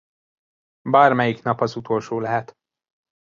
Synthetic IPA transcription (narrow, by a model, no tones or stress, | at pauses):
baːrmɛjiknɒpɒzut̪ʰo̞lʃoːlɛɦɛt̪